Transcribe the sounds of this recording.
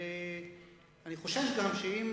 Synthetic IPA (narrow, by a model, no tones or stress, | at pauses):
e | aniχo̞ʃefɡamʃeim